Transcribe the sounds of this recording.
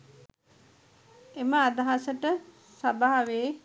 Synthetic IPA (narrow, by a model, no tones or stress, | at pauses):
eməad̪aɦasəʈə | sabaɦaʋeː